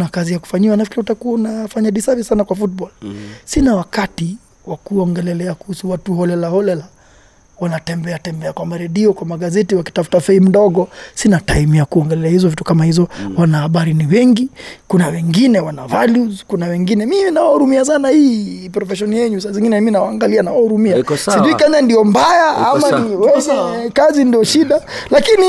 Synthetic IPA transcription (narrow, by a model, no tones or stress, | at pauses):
nakazijaku̥faɲiwanafkiɾɛutakuwaunafaɲaɗisavisanakwafut̚bɔlsinawakati | wakuɔŋɡɛlɛlɛakuhusuwatuhɔlɛlahɔlɛla | wanatɛmbɛatɛmbɛakwambaɾɛɗiɔkwamaɡazɛtiwaki̥tafu̥tafɛim̩ɗɔɠɔsinataimiakuɔŋɡɛlɛɛahizɔvitu̥kamahizɔwanahaɓaɾiniwɛŋɡikunawɛŋɡinɛwanavaluzkunawɛŋɡinɛmiinawahuɾumias̬anahipɾɔfɛʃ̬ɔnjɛɲusaziŋɡinɛiminawaːŋɡalianawahuɾumiasiʄuikɛɲandiɔmbajaamaniwɛɲɛkazindiɔʃiɗa | lakini